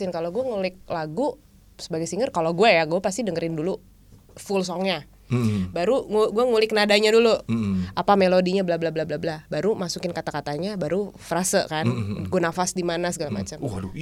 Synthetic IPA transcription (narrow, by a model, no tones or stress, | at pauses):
ɪnkaloɡuaŋulɪk̚laɡu | səbaɡajsiŋərkaloɡuajaɡuapas̬t̪idəŋəɾɪndulu | fuls̬ɔŋɲa | baɾuŋuɡuaŋulɪknadaɲaduluapamelodiɲablahblahblablablabaɾumasukɪnkat̪akat̪aɲabaɾufəɾasəkanɡuanafasdimanasəɡalama̰t͡ʃam